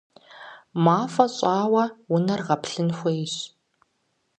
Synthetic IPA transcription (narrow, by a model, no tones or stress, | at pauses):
maːfɐɕʼaːwɐwʊnɐrʁɐpɬɨnxʷɔjɕ